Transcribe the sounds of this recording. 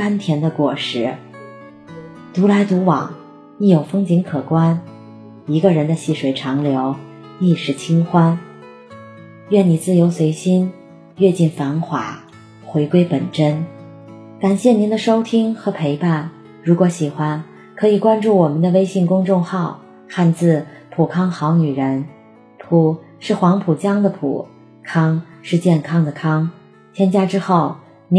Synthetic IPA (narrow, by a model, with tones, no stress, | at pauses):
ka˥nt̪ʰjɛ˧˥nd̪ə˧kwɔ˨˩ʂɻ̩˥˩ | t̪u˧˥la˧˥ɪt̪u˧˥wɑ̰˨˩˦ŋ | ni˧˥jo˨˩ʊfɤ˥ŋt͡ɕi˧˥ŋkʰɤ˨˩kwa˥n | i˧˥ɡə˧ɻə˧˥nd̪ə˧ɕi˥˩ʂwe˧˥ɪʈ͡ʂʰɑ˧˥ŋljo˧˥ʊ | li˥˩ʂɻ̩˥˩t͡ɕʰi˥ŋxwa˥n | ɥɛ˥˩ni˨˩t͡sɹ̩˥˩jo˧˥ʊswe˧˥ɪɕi˥n | ɥɛ˥˧t͡ɕi˥˩nfa˧˥nxwa̰˨˧˩ | xwe˧˥ɪkwe˥ɪpə̰˨˩nʈ͡ʂə˥n | ka˨˩nɕjɛ˥˩ni˧˥nd̪ə˧ʂo˥ʊt̪ʰi˥ŋxɤ˧˥pʰe˧˥ɪpa˥˩n | ɻu˧˥kwɔ˧˥ɕi˨˩xwa˥n | kʰɤ˧˥i˨˩kwa˥nʈ͡ʂu˥˩wɔ˨˩mə˦nd̪ə˧we˥ɪɕi˥˩ŋkʊ˥ŋʈ͡ʂʊ˥˧ŋxɑ˥˧ʊ | xa˥˧nt͡sɹ̩˥˩pʰu˨˩kʰɑ˥ŋxɑ˧˥ʊny˨˩ɻə˧˥n | pʰu˨˩ | ʂɻ̩˥˩xwɑ˧˥ŋpʰu˨˩t͡ɕjɑ˥ŋd̪ə˨pʰṵ˨˩ | kʰɑ˥ŋʂɻ̩˥˧t͡ɕjɛ˥˩nkʰɑ˥ŋd̪ə˨kʰɑ˥ŋ | t͡ɕʰjɛ˥nt͡ɕja˥˩ʈ͡ʂɻ̩˥xo˥˩ʊ | n˧˥